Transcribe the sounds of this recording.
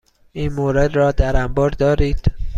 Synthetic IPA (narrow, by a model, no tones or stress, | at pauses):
ʔiːnmoːɾed̪ɾɒːd̪æɾæmbɒːɾd̪ɒːɾiːd̪̥